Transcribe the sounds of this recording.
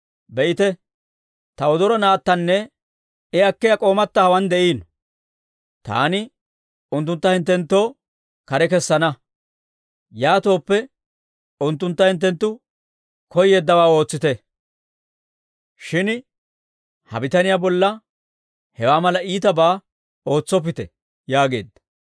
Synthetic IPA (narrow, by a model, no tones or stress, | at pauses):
bɛʔɪt̪ɛ | t̪ɐɔd̪ɔɾɔnaːt̪ːɐnːɛ | ɪɐkːɪjɐkʼo̞ːmɐt̪ːɐhɐwɐnd̪ɛʔiːn | t̪a̰ːnɪ | ʊnt̪ːʊnt̪ːɐhɪnt̪ːɛnt̪ːo̞ː | kɐɾɛkɛsːɐnɐ | jaːt̪o̞ːpːɛ | ʊnt̪ːʊnt̪ːɐhɪnt̪̬ːɛnt̪ːʊ | kʰɔjːeːd̪ːɐwaːo̞ːt͡sːɪt̪ɛ | ʃɪn | hɐ̰bɪt̪ɐnɪjaːbɔlːɐ | hɛwaːmɐlɐiːt̪ɐbaː | o̞ːt͡sːɔp̬ːɪt̪ɛ | jaːɡe̞̰ːd̪ːɐ̥